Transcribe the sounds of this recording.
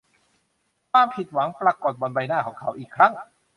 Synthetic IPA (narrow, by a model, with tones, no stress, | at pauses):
kʰwaː˧mpʰi˨˩t̪̚wa˩˦ŋpɾa˧koː˨˩t̪̚bɔ˧nba˧jnaː˥˩kʰɔː˩˦ŋkʰa˩˦˥wʔiː˨˩kʰɾa˦˥ŋ